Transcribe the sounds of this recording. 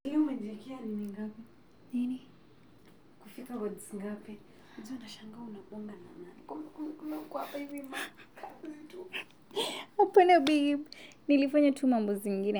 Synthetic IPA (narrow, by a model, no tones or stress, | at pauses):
liumɛʄɛkɛaniniŋɡapɛ | nini | kufikawɔdziŋɡapɛ | zianaʃaŋɡaunaɓɔŋɡanananikɔmɛkumkumɛukɔhapaivimakʰazzitu | upɛnɛɓinilifaɲatʰumambɔziŋɡinɛ